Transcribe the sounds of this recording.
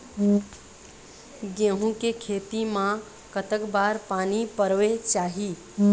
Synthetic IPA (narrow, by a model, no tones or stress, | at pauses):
ɡẽɦũkekʰet̪imã | kət̪əkbaːɾpaːnipəɾʋet͡ʃaːɦi